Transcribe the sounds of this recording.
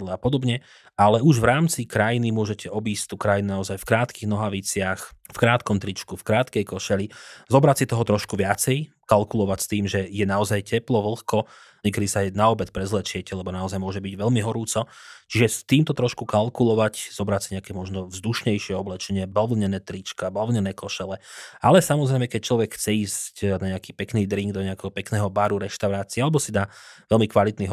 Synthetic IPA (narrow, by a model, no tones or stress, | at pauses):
lɛapɔd̪ɔbɲɛ | alɛuʒʋɾaːmt͡sikɾajinimʊɔʒɛcʰɛɔbiːst̪ukɾajinunaɔzajfkɾaːt̪kiɣnɔɦaʋit͡sɪaxfkɾaːt̪kɔmt̪ɾit͡ʃkufkɾaːt̪kɛjkɔʃɛlizɔbɾatsit̪ɔɦɔt̪ɾɔʃkuʋɪat͡sɛj | kalkulɔʋacst̪iːmʒɛjɛnaɔzajcɛplɔʋl̩xkɔ | ɲɛkɛd̪isaɛnaɔbɛt̪̚pɾɛzlɛt͡ʃɪɛcɛlɛbɔnaɔzajmʊɔʒɛbiɟʋɛlmiɦɔɾuːt͡sɔt͡ʃiʒɛst̪iːmt̪ɔt̪ɾɔʃkukalkulɔʋacz̥ɔbɾaːtsiɲɛakɛːmɔʒnɔvzd̪uʃɲɛjʃɪɛɔblɛt͡ʃɛɲɪɛblʋl̩ɲɛnɛːt̪ɾit͡ʃkabalʋɲɛnɛːkɔʃɛlɛʔalɛsamɔzɾɛjmɛkɛc̚t͡ʃlɔʋɛkxt͡sɛiːscnaɲɛakiːpɛkniːd̪ɾiŋɡd̪ɔɲɛakɛɦɔpɛknɛːɦɔbaːɾuɾɛʃt̪aʊɾaːt͡siɛalɛbɔsid̪aːʋɛlmikʋalit̪niːɦ